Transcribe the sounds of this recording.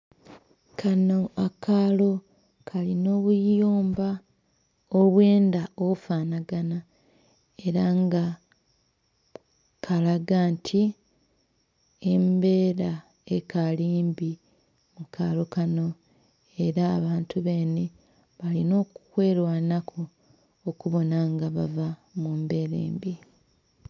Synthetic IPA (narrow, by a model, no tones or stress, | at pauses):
kʰanoakʰalo̞ | kʰalino̞ːβujuːmba | oβwe̞ːndao̞βufaːnaɡana | e̞ɾaŋɡa | kʰalaɡaːntʰi | embeːɾa | ekaliːmbi | mukʰalokano̞ | e̞ɾaːβaːntʰuβe̞ːne | βalino̞ːkukwe̞ːlwanakʰoː | kuβo̞naŋɡaβavamumbe̞ːɾḛːmbi